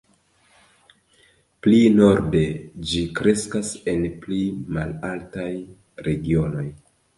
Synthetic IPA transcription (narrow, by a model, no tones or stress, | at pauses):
plino̞ɾde̞d͡ʒikɾe̞skase̞nplimalaltaj | ɾe̞ɡio̞no̞j